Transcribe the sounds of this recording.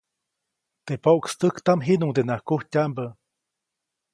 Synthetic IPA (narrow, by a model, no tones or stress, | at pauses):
t̪epoʔkst̪əkt̪amɦinuŋd̪enahkuhcʲambə